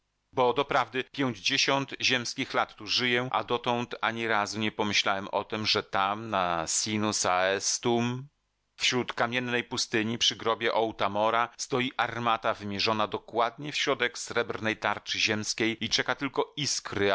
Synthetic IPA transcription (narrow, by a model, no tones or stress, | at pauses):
bɔd̪ɔpɾavd̪ɘpʲjɛwd͡ʑeɕɔnt̪ʑɛmskʲixlat̪ːuʐɘjɛʔa̰d̪ɔt̪ɔnt̪aɲiɾazuɲɛpɔmɘɕlawɛmʔɔ̰t̪ɘmʐɛt̪amnasʲinusaɛst̪um | fɕɾut̪kamʲjɛnːɛjpust̪ɘɲipʂɘɡɾɔbʲjɛʔɔwt̪amɔɾast̪ɔjiʔaɾmat̪avɘmʲjɛʐɔnad̪ɔkwad̪̚ɲɛfɕɾɔd̪ɛksɾɛbɾnɛjt̪aɾt͡ʂɘʑɛmskʲejit͡ʂɛkat̪ɘlkɔiskɾɘ